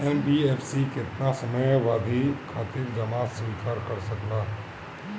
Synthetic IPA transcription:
ɛnbieːpʰsikɪt̪nasəməjʋaːd̪ʱikʰaːt̪ɪɾd͡ʒəmaːsʋiːkaːɾkəɾsəklaː

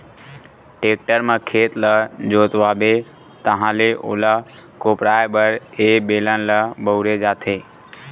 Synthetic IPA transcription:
ʈeːk̚ʈəɾmə̃kʰeːt̪ləd͡ʒoːt̪ʋaːbe | t̪əɦãːleʔo̰ːlakoːpɾaːjbəɾebeːlənləbəʊɾed͡ʒaːt̪ʰeː

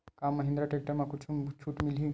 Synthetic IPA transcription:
kamːəɦĩnd̪ɾaʈek̚ʈəmakut͡ʃʰut͡ʃʰuːʈmilɦĩ

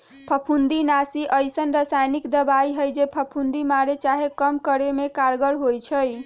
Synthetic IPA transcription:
pʰəpʰund̪inasiʔəjsənɾəsajnikd̪əbaiɦəjd͡ʒepʰəpʰund̪imaɾet͡ʃaɦekəmkəɾemekaɾɡəɽɦojt͡ʃʰəj

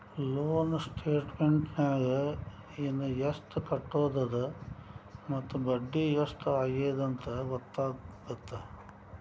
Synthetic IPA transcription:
loːnsʈʰeːʈmeɳʈnaːɡɐ | inːujɐsʈukɐʈːoːd̪ɐd̪ɐ | mɐt̪ːubɐɖːijɐsʈuaːɡeːd̪ɐnt̪ɐʋɔt̪ːaːɡɐt̪ːɐ

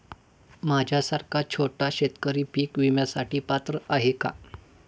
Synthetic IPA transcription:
mad͡ʑʱjasaɾkat͡ɕʰoʈaɕet̪kəɾiːpiːkʋimjasaʈʰiːpat̪ɾəʔaɦeka̰

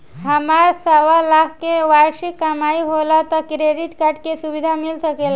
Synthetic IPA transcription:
ɦəmaɾsəwalakkeʋaɾʃikːəmaiɦolət̪ɔkɾeɖiʈkaʈkesubid̪ʱamilsəkel

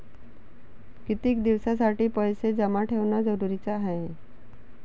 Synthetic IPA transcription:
kit̪ik̚d̪iʋsas̬aʈipəjsed͡zəmaʈʰeʋnad͡zəɾuɾit͡saɦee

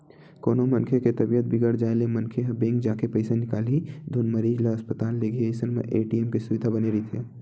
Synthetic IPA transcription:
ko̰ːnomənkʰeket̪ɐbijət̪̚bɪɡəɽd͡ʒaːelemənkʰeɦɐbẽːŋkd͡ʒaːkepəɪsenɪkaːlid̪ʱunməɾiːd͡ʒlaəspət̪aːlːeɡieːsənmḛ̃ʔeːʈiemkesʊʋɪd̪ʱabəneɾəit̪ʰeː

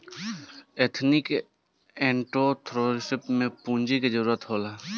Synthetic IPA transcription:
et̪ʰnɪk | ẽɳʈot̪ʰɾoɾɪsɪpmẽpũnd͡ʒiked͡ʒəɾuːɾət̪ɦola

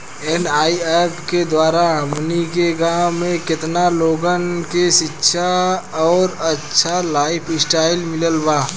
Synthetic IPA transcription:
eːnaːiepked̪waːɾaɦɐmnikeɡãːmẽkɪt̪naloːɡənkeʃɪtːʃʰaɔːɾɐtːʃʰalaːɪpʰɪsʈaːɪlmɪləlbaː

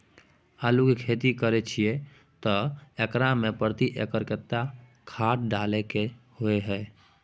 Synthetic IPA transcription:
əlukikʰeːt̪ikəɾet͡ʃʰie | t̪ɔekɾamẽpəɾt̪iʔekəɾkət̪ːa | kʰaːʈ̚ɖaːlekehoeɦɛː

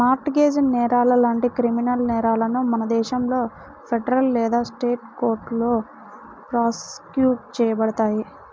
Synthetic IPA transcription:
maːɾʈɡe̞ːd͡ʒnɛːɾaːlɐlaːɳʈikɾiminɐlnɛːɾaːlɐnumɐnɐd̪ɛːʃɐmlo̞ː | pʰeɖɐɾɐlːɛːd̪aːsʈe̞ːʈkoːɾʈlo̞ː | pɾaːskjuːʈ̚t͡ʃɛːjɐbɐɽɐt̪aːji

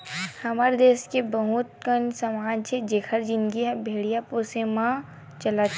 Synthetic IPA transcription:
hɐməɾd̪eːskebəɦut̪̚kənsɐmaːd͡ʒt͡ʃʰed͡ʒeːkʰəɾd͡ʒɪ̃nɡiɦɛbʱeːɽijaposemã | t͡ʃəla

